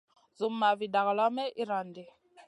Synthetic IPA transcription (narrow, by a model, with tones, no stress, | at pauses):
zu˨m˦ma˨vi˨da˨ɣa˨la˦mɛ˦ʔi˦ɾa˨ndɛ˨